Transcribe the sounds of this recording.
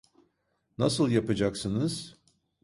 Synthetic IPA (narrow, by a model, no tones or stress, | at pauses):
nasɯlˠjapad͡ʒaksɯnɯz̥